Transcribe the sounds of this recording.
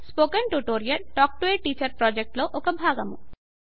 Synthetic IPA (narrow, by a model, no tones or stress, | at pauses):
spoːkɐɳʈuʈoːɾijɐʈɔːk̚ʈuʋeːʈiːt͡ʃɐɾpɾɔːd͡ʒek̚ʈloːʔokɐbʱaːɡɐmu